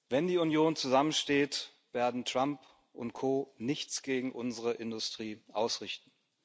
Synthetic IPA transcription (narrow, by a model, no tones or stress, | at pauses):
vɛndiːʊnjoːnt͡suzamənʃteːt | v̥eːɐdn̩tʁ̥amp | ʊ̰nt̚kʰoːnɪçt͡sɡ̥eːɡŋ̩ʔʊnzəʁəʔɪndʊstʁ̥iːʔaʊsʁɪçtn̩